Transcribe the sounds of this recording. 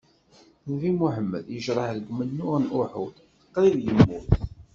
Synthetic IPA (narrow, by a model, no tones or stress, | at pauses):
nvimuħəmːə̰ðjəʒɾˤɑħðəɡmənːʊʁnʔʊħṵd̪θə̥qːɾiðjəmːuθ